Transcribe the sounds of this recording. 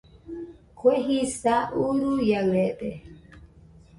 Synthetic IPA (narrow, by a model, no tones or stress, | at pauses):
kʰeɦisaʔuɾujawɛːɗɛ